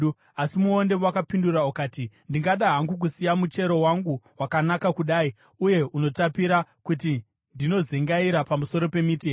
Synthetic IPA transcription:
asimuonde̞wakapinduraukaːtindiŋɡaɗaɦaŋɡuk̬usijamut͡ʃe̞ɾo̞waŋɡuwakanakakuɗaːi | uje̞ʔuno̞tapiɾakuti | ndino̞zeŋɡaiɾapamuso̞ɾo̞pe̞miteː

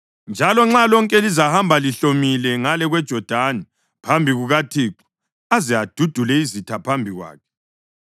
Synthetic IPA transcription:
nd͡ʒʱalɔŋ͡ǁalɔŋkʼɛlizahambʱaliɬomilɛŋalɛɣwɛd̥ʒ̥ʱɔd̥ʱanɛ | pʰambʱiɣuɣatʰiːǃu̥ | azɛad̥ʱud̥ʱulɛizitʰapʰambʱiɣwa̰ːkʰɛ̥

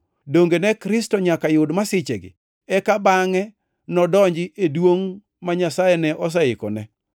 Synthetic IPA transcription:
doŋɡenɛkɾɪstɔɲakajʊdmasɪt͡ʃɛɡɪ̰ | ɛkabaŋɛ | nɔdɔɲd͡ʒɪʔedwoŋ | maɲasajɛnɛʔɔs̬aɪkɔ̰nɛ

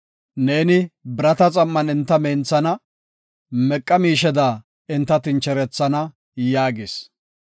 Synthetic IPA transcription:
ne̞ːnɪbɪɾɐt̪ɐt͡sʼɐmːɐnɪnt̪ːɐmeːnt͡sːɐnɐ | mɛkʼːɐmiːʃɛd̪aː | ɪnt̪ːɐt̪ɪnt͡ʃɛɾɛt͡sːɐnɐ | jaːɡɪs

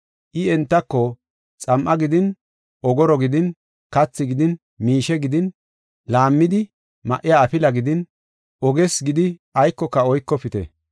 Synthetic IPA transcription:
ʔɪɛnt̪ːɐkːɔ | t͡sʼɐmʔɐɡɪd̪ɪn | ɔɡɔɾɔɡɪd̪ɪn | kɐt͡sːɪɡɪd̪ɪn | miːʃɛɡɪd̪ɪn | laːmːɪd̪ɪ | mɐ̰ʔːɪjaːfɪlɐɡɪd̪ɪn | ɔɡɛsɡɪd̪ɪɐjkːɔkːɐɔjkːɔpɪt̪ɛ̰

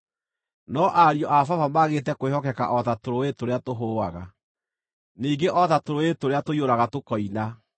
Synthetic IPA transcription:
nɔʔaɾiɔʔafavamaɣetɛkowehɔkɛka̰ʔɔtatoɾoetoɾeatoɦowaɣa | niːɡeʔɔtatoɾoetoɾeatoioɾaɣatokɔina

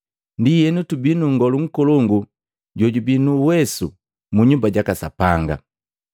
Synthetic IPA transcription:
ndijɛnutubinuŋɡɔluŋ̩kɔlɔŋɡu | ɟɔɟubinuwɛsṵ | muɲumbaɟakasa̰paŋɡa̰

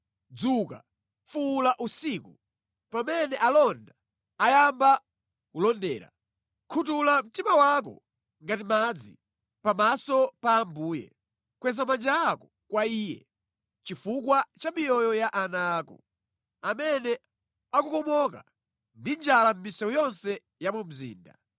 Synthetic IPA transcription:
d͡zuka̰ | fulaʔusiːku | pamɛnɛʔalɔnda | ajamba | kulɔndɛ̰ːɾa̰ | kʰutulam̩timawak̬ɔ̰ | ŋɡatimad͡zḭ | pamasɔpaːmbuːjɛ̰ | kwɛs̬amand͡ʒaːkɔ | kwaiːjɛ̰ | t͡ʃifukwat͡ʃamijɔjɔjaʔanaːkɔ̰ | amɛnɛ | akukɔmɔka̰ | ndind͡ʒalam̩misɛwɔjɔnsɛ | jamum̩zḭːnda̰

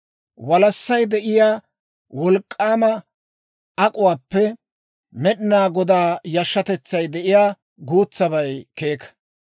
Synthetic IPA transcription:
wɐlɐsːɐjd̪ɛʔɪjaː | wɔlkʼːaːmɐ | ɐkʼʊwaːpːɛ | mɛɗɪnaːɡɔd̪aːjɐʃːɐt̪ɛt͡sːɐjd̪ɛʔɪjaː | ɡuːt͡sːɐbɐjke̞ːkɐ̥

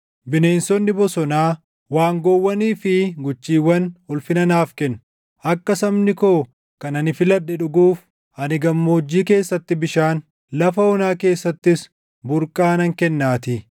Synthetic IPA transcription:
bɪne̞ːnsɔnːɪbɔsɔnaː | waːŋɡɔwːɐniːfɪɡʊt͡ʃːiːwːɐnʊlfɪnɐnaːfkɛnː | ɐkːɐsɐmnɪkoː | kɐnɐnɪfɪlɐᶑːɛᶑʊɡuːf | ɐnɪɡɐmːoːd͡ʒːiːke̞ːsːɐt̪ːɪbɪʃaːn | lɐfɐɔnaːke̞ːsːɐt̪ːɪs | bʊɾkʼaːnɐŋkɛnːaːt̪ɪ

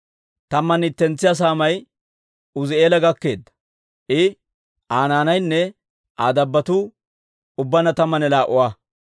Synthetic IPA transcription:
t̪ɐmːɐnɪt̪ːɛnt͡sːɪjɐs̬aːmɐj | ʊzɪe̞ːlɐɡɐkːe̞ːd̪ːɐ̥ | ʔɪ | ʔaːnaːnɐjnːɛ | ʔaːd̪ɐbːɐt̪u | ʊbːɐnɐt̪ɐmːɐnɛlaːʔʊwaː

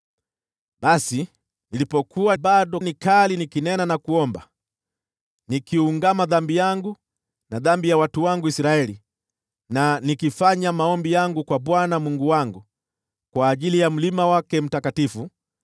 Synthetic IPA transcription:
ɓasi | nilipɔkuwaɓaɗɔnikalinikinɛnanakuɔmba | nikiuŋɡamaðambijaŋɡu | naðambijawatuwaŋɡuisɾaɛli | nanikifaɲamaɔmbijaŋɡukwaɓwanamuŋɡuwaŋɡu | kwaːʄilijam̩limawakɛm̩takatifu

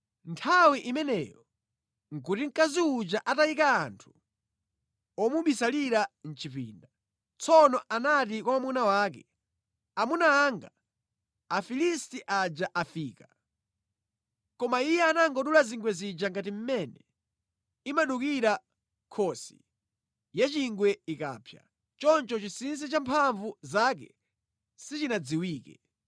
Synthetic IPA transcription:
ntʰawiʔimɛnɛjɔ | ŋ̩k̬utiŋkaziud͡ʒaʔataikaːntʰu̥ | ɔmuɓisaliɾan̩t͡ʃipḭːnda | t͡sɔnɔʔanat̬ikwaamunawaːkɛ̰ | amunaːŋɡa | afilistiʔad͡ʒaʔafiːka | kɔmaijɛanaŋɡɔɗulaziŋɡwɛzid͡ʒaŋɡatim̩mɛnɛ | imaɗukiɾa | kʰɔsḭ | jat͡ʃiŋɡwɛika̰ːpʰja̰ | t͡ʃɔnt͡ʃɔt͡ʃisins̬it͡ʃampʰaɱvuzaːk̬ɛ̰ | sit͡ʃinad͡ziwiːkɛ̰

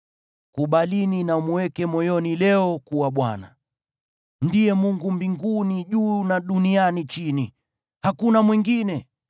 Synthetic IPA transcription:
kuɓalininamuwɛkɛmɔjɔnilɛɔkuwaɓwa̰na̰ | ndijɛmuŋɡumbiŋɡuniʄuːnaɗunianit͡ʃini | hakunamwiŋɡinɛ

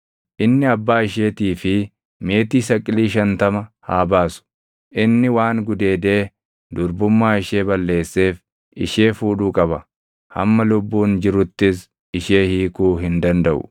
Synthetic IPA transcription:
ʔɪnːɪɐbːaːɪʃeːt̪iːfɪ | me̞ːt̪iːsɐkʼːɪliːʃɐnt̪ɐmɐhaːbaːsʊ̥ | ʔɪnːɪwaːŋɡʊd̪e̞ːd̪e̞ː | d̪ʊɾbʊmːaːɪʃe̞ːbɐlːe̞ːsːe̞ːf | ɪ̰ʃe̞ːfuːᶑuːkʼɐbɐ | hɐ̰mːɐlʊbːuːnd͡ʒɪɾʊt̪ːɪs | ɪʃe̞ːhiːkuːɦɪnd̪ɐnd̪ɐʔʊ̰

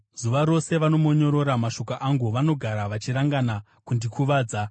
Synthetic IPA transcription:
zuʋaɾo̞se̞ʋano̞mo̞ɲo̞ɾo̞ɾamaʃo̞kaʔaŋɡuʋano̞ɡʱaɾaʋat͡ʃiɾaŋɡana | kundikuʋaːd͡za

